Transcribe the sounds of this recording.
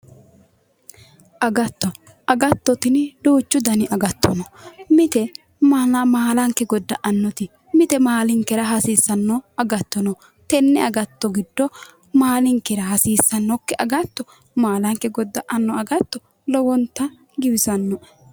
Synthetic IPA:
ʔɐɡɐt̪ːɔ | ɐɡɐt̪ːɔt̪ɪnd̪oːt͡ʃːʊd̪ɐnɪʔɐɡɐt̪ːɔnɔmɪt̪ɛ | malmaːlɐŋkːɛɡɔd̪ːɐʔɐnːɔt̪ɪ | mɪt̪ɛmaːlɪŋkːɛɾɐɦɐsiːsːɐnːɔɐɡɐt̪ːɔnɔ | t̪ɛnːɛɐɡɐt̪ːɔɡɪd̪ːɔ | maːlɪŋkɛɾɐɦɐsiːsːɐnːɔkːɛʔɐɡɐt̪ːɔ | maːlɐŋkːɛɡɔd̪ːɐʔɐnːɔɐɡɐt̪ːɔ | lɔwɔnt̪ːɐ | ɡɪwɪsɐnːɔ

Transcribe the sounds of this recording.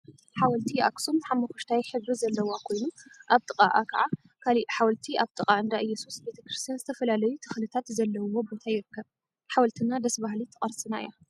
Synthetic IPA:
ħawɐlt̪ʰia̰ksumħamːɐxuʃt̪ʰajħɨβɾizɐlːɐwakʰo̞jnuʔaβt̪ʼɨkʼaʔa̰kʰɐ̰ʕa | kʰaliħawɐlt̪ʰiʔaβt̪ʼɨqʼaɨnd̪aʔɨjːɛsusbe̞t̪ʰɐkɾɨst̪ʰijanzɨt̪ʰɐfɐlalɐjut̪ʰɨ̥xlɨt̪ʰat̪zɐlːɐwwo̞bo̞t̪ʰajɪɾɨkːɐβ | ħawɐlt̪ʰɨnad̪ɐsbahlit̪ʰɨqʼɐɾsɨnaɨ̰ja

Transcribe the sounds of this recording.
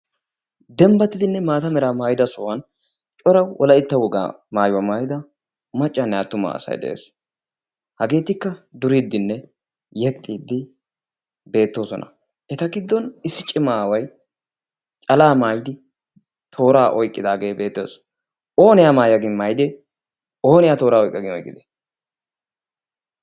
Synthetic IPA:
d̪ɛmbɐt̪ːɪd̪ɪnːɛmaːt̪ɐmɛɾaːmaːjɪd̪ɐsɔwɐn | t͡ʃʼɔɾɐwwɔlɐɪt̪ːɐwɔɡa̰ | maːjwɐmaːjɪd̪ɐ | mɐt͡ʃʼːɐnːɛat̪ːʊma̰sɐ̰jd̪ɛ̰ʔḛːs | hɐɡe̞ːt̪ɪkːɐd̪ʊɾid̪ːɪnːɛ | jɛt̪ʼːiːd̪ːɪ | be̞ːt̪ːo̞ːsɔ̰nʔɐ̰ | ʔɛt̪ɐɡɪd̪ːɔnɪsːɪt͡ʃʼːɪmaːwɐj | t͡ʃʼɐlaːmaːjɪd̪ɪ | t̪ʰo̞ːɾaːʔɔjkʼːɪd̪aːɡe̞ːbe̞ːt̪ːɪḛs | ʔo̞ːnɪjaːmaːjɐɡɪnmaːjd̪ɛ | o̞ːnɪjaːt̪o̞ːɾaːɔjkʼːɐɡɪnɔjkʼːɪd̪ɛ̥

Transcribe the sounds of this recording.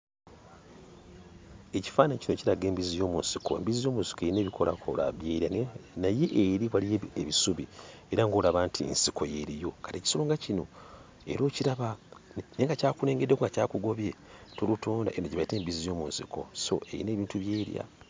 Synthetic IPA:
e̞ci̥faːnacinociɾaɡe̞ːmbizijo̞ːmunsikʰoḛmbizijo̞ːmunsi̥koeine̞ːβikʰola̰kʰo̰la̰βjeːɾjanaje̞ʔːɾiβwalieβisuβie̞ɾaŋɡoːlaβaːntʰḭnsikʰo̞je̞ɾijo̞kaɾieci̥soloːŋɡacino̞̰ | e̞̰ɾo̞ːciɾaβane̞ŋɡacaːkule̞ːŋɡedːekuŋɡacaːkuɡo̞βje̞tolutoːnda̰ʔeno̞ciβaite̞ːmbizijo̞ːmunsikʰo̞̰so̞̰e̞̰jḭneːβiːntuβjeːɾja̰

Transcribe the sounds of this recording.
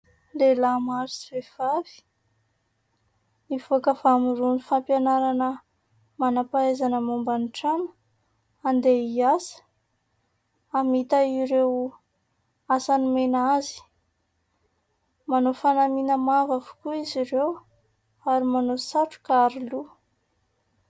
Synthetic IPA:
lelamaɾisi̥vev̥avi̥ | ivokəvamuɾunifampjanaɾanə | manapaezanəmumbaniʈ͡ʂanə̥ | and̪eiasə̥ | amit̪aiɾew | asanimenazi̥ | manofanaminəmavavu̥kuiziɾew | aɾimanosaʈ͡ʂu̥kaɾilu

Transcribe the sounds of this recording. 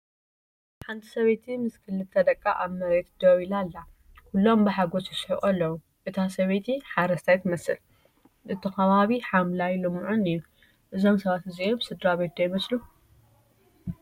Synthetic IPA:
ħant̪ʰi̥sɐβet̪ʰimɨskʰɨlːɨt̪t̪ʰɐd̪ɐkʼːaʔaβmɐɾet̪d̪̥owilalːa | kʰulːo̞mbɨħaɡosɨʃħḭʔʼɐlːɐwu | ʔɨt̪ʰasɐβet̪ʰiħaɾɐst̪ʰajt̪mɐsɨ̰l | ʔɨt̪ʰːɨkɐβaβiħamlajlɨmːuʕunɨjːu | ʔɨzo̞msɐβat̪ɨziomsɨd̪ɾaβet̪d̪ɐjmɐslu

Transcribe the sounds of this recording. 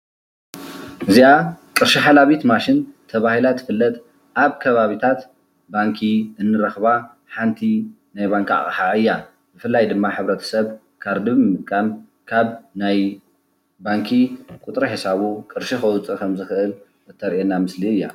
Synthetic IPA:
ʔɨziakʼɨɾʃiħalaβit̪maʃint̪ʰɐβahilat̪ʰːɨ̥fɨlːɐt̪ | ʔaβkʰɐβaβit̪ʰat̪ | baŋkʰiɨnːɨɾɐxβa | ħant̪ʰi | najβaŋka̰χʼɨ̰ħaʕɨjːa | bɨfɨlːajd̪ɨmːaħɨβɾɐt̪ʰɐ̥sɐβ | kʰaɾd̪ɨβɨmɨt̪̚kʼːam | kʰaβnaj | baŋkʰikʼʊt̪ʼɾɐħisaβukʼɨɾʃixɐwt͡sʼɨkʰɐmzɨxɨʔɨl | ɨt̪ʰːɐɾʔenːamɨsliɨjːa̰

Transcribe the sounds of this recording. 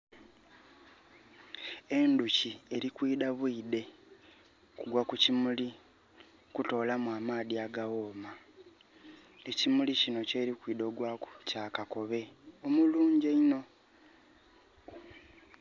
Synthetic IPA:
e̞nducieɾikwiːdaβwiːde̞ | kuɡwakucimuli | kuto̞ːlamwaːmaːðiaɡawo̞ːma | e̞cimulicino̞ce̞ːɾikwiːdo̞ːɡwaːku̥caːkako̞βe̞omuluːɲɟeino̞

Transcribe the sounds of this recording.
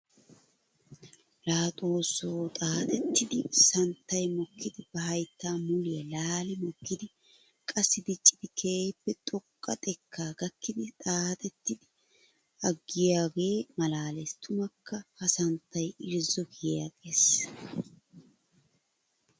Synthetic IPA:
laːt̪ʼo̞ːsoːt̪ʼaːt̪ʼɛt̪ːɪd̪ɪsɐnt̪ːɐjmɔkːɪd̪ɪbɐhɐjt̪ːaːmʊlɪjɐlaːlɪmɔkːɪd̪ɪ | kʼɐsːɪd̪ɪt͡ʃʼːɪd̪̥ɪkʰeːpːɛt̪ʼɔkʼːɐ̰t̪ʼɛkʰːaːɡ̥ɐkːɪd̪ɪt̪ʼaːt̪ʼɛt̪ːɪd̪ɪ | ɐɡːɪjaːɡe̞ːmɐlaːlɛst̪ʰʊmɐkːɐhɐsɐnt̪ːɐjɪɾzɔkɪjjaːɡe̞ːs

